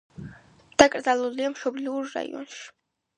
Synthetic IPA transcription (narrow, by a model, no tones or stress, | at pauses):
d̪̥akʼrzalɔliamʃɔbliurːa̰jɔ̰nʃ